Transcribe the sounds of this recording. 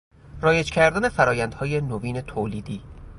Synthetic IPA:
rɒːje̞d͡ʒkcʰæɾd̪æne̞fæɾɒːjænd̪hɒːje̞noviːne̞t̪ʰoliːd̪iː

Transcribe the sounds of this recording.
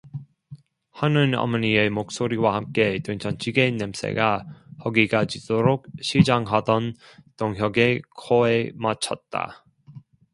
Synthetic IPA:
hanɯnʌ̰mʌɲiemok̚s͈oɾiwahamk͈e̞twɯŋt͡ɕʰʌnt͡ɕʰiɡenːems͈ʰe̞̰ɡahʌɡiɡad͡ʑidoɾok̚ɕʰid͡ʑaŋɦadʌn | toŋɦjʌɡe̞kʰoemat͡ɕʰʌt̚t͈a̰

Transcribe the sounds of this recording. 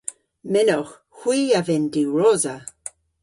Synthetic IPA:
mɪnɔx | hwiːavɪndiɹoːzə

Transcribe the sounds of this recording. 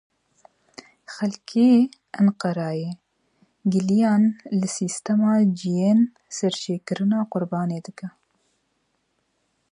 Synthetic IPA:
xɛlkʰeːʔɨnqɑɾɑːjeː | ɡɨlijɑːnlɨsiːst̪ɐmɑːd͡ʒijen | sɛɾt͡ʃʰeːkɨɾɨnɑːqʊɾbɑːneːd̪ɨkɐ

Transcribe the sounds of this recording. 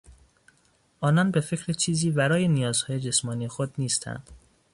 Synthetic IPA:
ʔɒːnɒnbe̞fe̞cʰɾet͡ʃʰiːziːbæɾɒːje̞nijɒːzhɒːje̞d͡ʒe̞smɒːnije̞xod̪niːst̪ʰæ̰nd̪̥

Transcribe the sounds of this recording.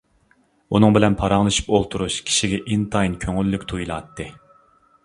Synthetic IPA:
unɨŋbɪlɛnpʰɑɾɑŋlˠɨʃi̥polˠt̪ʰuɾuʃkʲʰi̥ʃiɡʲɛʔint̪ʰɑinkʲʰøŋylːykʲt̪ʰujilˠɑ̰t̪ʰːɨ

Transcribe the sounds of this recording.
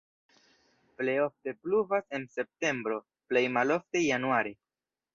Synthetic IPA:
ple̞jo̞fte̞pluvase̞nse̞p̚te̞mbɾo̞ | ple̞jmalo̞ftejanuaɾe

